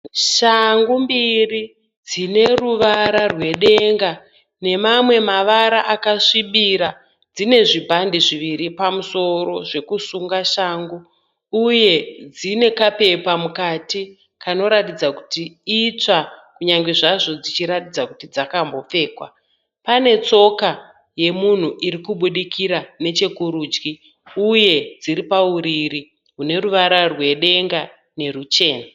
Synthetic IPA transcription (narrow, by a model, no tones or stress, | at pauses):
ʃaŋɡumbiri | d͡zine̞ruʋaɾarwe̞ɗe̞ŋɡa | ne̞mamwe̞maʋaɾaʔakaʂiɓiɾa | d͡zine̞ʐibʱandiʐiʋiɾipamuso̞ɾo̞ʐe̞kusuŋɡaʃaːŋɡu | uje̞d͡zine̞kape̞pamukati | kʰano̞ɾatid͡zaku̥tiit͡ʂakuɲaŋɡe̞ʐaʐo̞d͡zit͡ʃiɾatid͡zakutid͡zakambo̞p͡fe̞ːkwa̰ | pane̞t͡so̞ka | je̞mun̤uʔiɾikuɓuɗikiɾane̞t͡ʃe̞kuɾuːd͡ʒɡi | uje̞d͡ziɾipauɾiri | ɦune̞ɾuʋaɾarwe̞ɗe̞ŋɡa | ne̞rut͡ʃe̞ːna